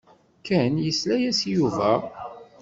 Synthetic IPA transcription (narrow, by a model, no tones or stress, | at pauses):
kænjəslæjæsjuvæ